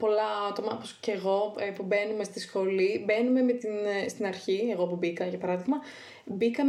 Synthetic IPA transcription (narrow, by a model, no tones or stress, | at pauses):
po̞lɐɐt̪o̞mɐoposceɣo̞epube̞nume̞st̪isxo̞libe̞nume̞me̞t̪inst̪inɐɾçie̞ɣo̞pubikɐʝɐpɐɾɐðiɣmɐ | bikɐm